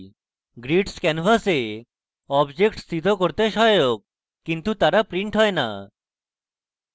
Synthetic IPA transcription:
ɡɾiʈskɛnfase | ɔbd͡ʑekʈst̪ʰit̪ɔkoɾt̪eʃɔjoɡ̚ː | int̪ut̪aɾapɾiɳʈɦɔena̰

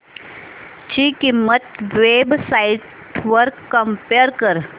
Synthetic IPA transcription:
t͡ɕiːkimːət̪ʋebsaiʈ | ʋəɾkːəmpeəɾkəɾ

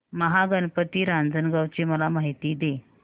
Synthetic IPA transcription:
məɦaɡənpət̪iːɾãnd͡zənɡawt͡ɕeməlamaɦit̪iːd̪e

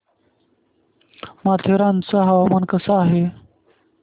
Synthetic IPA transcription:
mat̪ʰeɾãnt͡saɦawamankəsaːɦe

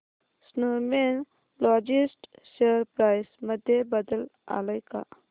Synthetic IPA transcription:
snomen | lɔːd͡ʒisʈseɾpɾaːjsməd̪ʱjebəd̪əla̰ːlɐjka̰ː

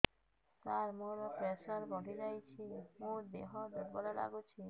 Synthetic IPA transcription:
t̪aɾmoɾopɾɛʃaɾbɔɖʱid͡ʑajt͡ɕʰimũɾd̪eɦod̪ebɔlala̰ɡut͡ɕʰi

